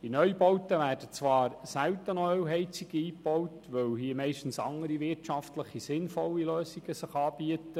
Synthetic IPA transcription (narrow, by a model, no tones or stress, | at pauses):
d̥inœʏbɔwtəʋæːrdət͡sʋɑːɾsæwtənɔœwɦɛɪt͡siɡiiːpɔwtʋɵwɦiːəmɛɪʃtən̩sɑŋəɾiʋɪtʃɑftləχisɪnfɔlːiløːsiɡəsəχɑːb̥iətə